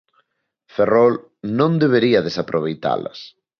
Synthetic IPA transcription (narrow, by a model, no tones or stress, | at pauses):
ferɔl | nõnd̪eβ̞eɾiɐðesapɾʔoβ̞ejt̪a̰lɐ̰s